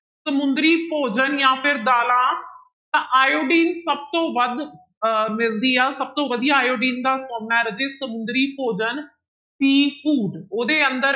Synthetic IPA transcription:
səmʊ̃nd̪ɾiːpoːd͡ʒənjãːpʰɪɾd̪aːlãː | t̪ãːʔaːjoːɖiːnsəb̚t̪õːʋəd̪ | mɪld̪iːaːsəb̚t̪õːʋəd̪ijaːaːjoːɖiːnd̪aːsoːɳnaɾəd͡ʒeːsəmʊ̃nd̪ɾiːpoːd͡ʒən | ʈiːfuːɖoːd̪eːənd̪əɾ

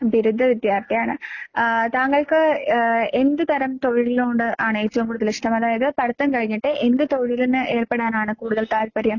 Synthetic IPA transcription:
biɾud̪ʱːɐʋid̪jaːrt̪ɐjaːɳɨ | t̪aːŋɡːɐɭkɨ | e̞nd̪ɨt̪ɐɾɐmt̪oɻiɭiloːɳɖɨʔaːɳeːt͡ɕːuɐŋkuːɽuðɐliʂʈɐmɐðaːjɐðɨpɐɽɐt̪ːɐnkɐɻiɲːiʈːɨʔend̪ɨt̪oɻiilunːɨʔe̞ːrpeɽaːnaːɳɨkuːɽuðɐɭt̪aːlpɐɾjɐm

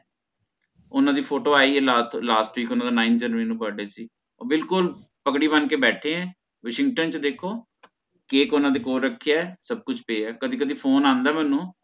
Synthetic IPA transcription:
ʊnãːd̪iːpʰoːʈoːaːiːɛːlaːtlaːsʈʋiːkʊnãːd̪aːnaːɪnd͡ʒəɾʋiːnũːbəɖeːsiː | ɔːbɪlkʊl | pəkɽiːbənkeːbɛːʈʰeːɛ̃ː | ʋəʃɪŋɡ̚ʈənt͡ʃd̪eːkʰoː | keːkoːnãːd̪eːkoːɾːəkʰːejaːsəb̚kʊt͡ʃʰpeːɛːkəd̪iːkəd̪iːpʰoːnãːnd̪aːmɛːnũː

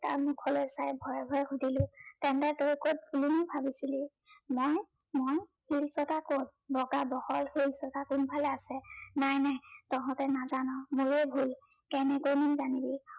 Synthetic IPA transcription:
ta̰ɹmukʰɔlojsajbʱɔjbʱɔɛxudʱilʊtɛntɛtoikojt̚bʱulunibʱabisili | moj | mojhilsɔtakot̚bɔɡabɔhɔlhilsɔtakʊnbʱalɛasɛnajnajtɔɦɔ̃tɛnazanɔmuɹɛbʱul | kɛnɛkojnizanibi

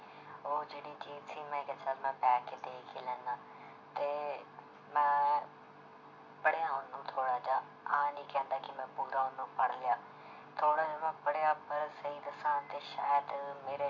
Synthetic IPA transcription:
oːd͡ʒeːɽit͡ɕiːzsʰimɛ̃ɪkət͡ʃʰalmɛ̃bɛːkːd̪eːkʰilə̃ŋɡ̪ãː | t̪e | mɛ̃ː | pɐɽɪjãɦõnd̪ũt̪ʰoːɽad͡ʑa | aːnikɛ̃ːnd̪aːkimɛ̃pʊɡãɦõnd̪ũpɐɽ̤lɪjaː | t̪ʰoːɽad͡ʒomɛ̃pəɽɪjapɐɾsɐɦid̪əsãt̪eʃaːjəd̪meːɾe

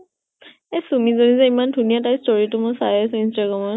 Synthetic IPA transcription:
esumizonizɛimandʱunijatajstoɹitʊmʊsajasʊ̃instaɡɹamɔ

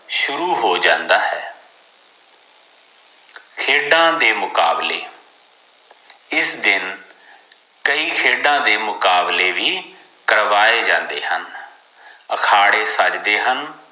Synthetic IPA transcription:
ʃʊɾuːɦoːd͡ʒãːnd̪aːɦɛː | kʰeːɖãːd̪eːmʊkaːblḛː | ɪsd̪ɪn | kəiːkʰeːɖãːd̪eːmʊkaːbleːʋiː | kəɾʋaːeːd͡ʒã̰ːnd̪ḛːɦən | əkʰaːɽeːsət͡ʃd̪eːɦən

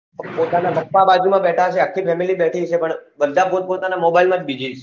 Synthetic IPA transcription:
pot̪anaməkpabad͡ʒumãbɛʈʰaʃeəkʰːifʰɛmilibɛʈʰit͡ʃʰepəɳʋəɾd̪ʱapot̪̚pot̪anamobailmãd͡ʒbid͡ʒit͡ʃʰe

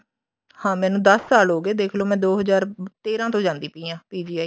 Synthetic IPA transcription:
hãːmɛːnũːd̪əsːaːlɦoːɡeːd̪eːkʰloːmɛ̃ːd̪oːɦəzaːɾt̪eːɾãːt̪õːd͡ʒãːnd̪iːpiːjãːpiːd͡ʒiːaːi

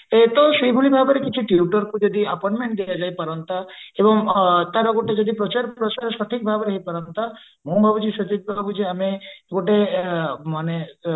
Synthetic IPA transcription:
et̪ɔʃibʱulibʱabeɾekit͡ʃʰuʈjiuʈɔɾkud͡ʒɔd̪iapɔjɳʈmẽɳʈ̚d̪ijad͡ʒajpaɾɔnt̪aebɔŋt̪aɾɔɡoʈed͡ʒɔd̪ipɾɔt͡ʃaɾpɾɔt͡ʃaɾʃɔʈ̪ʰik̚bʱabɾeɦipaɾɔnt̪a | mumbʱabud͡ʒiʃɔt͡ʃid̪̚bʱabud͡ʒiameɡoʈe | mane

